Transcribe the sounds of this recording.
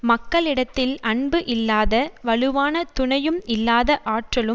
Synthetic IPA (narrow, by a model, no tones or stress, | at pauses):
mɐkːɐɭɪɽɐt̪ːɪlɐɳbɯʔɪlːaːðɐʋɐɭɯʋaːnɐt̪ʊɳɐjɯmɪlːaːðɐʔaːʈrɐɭɯ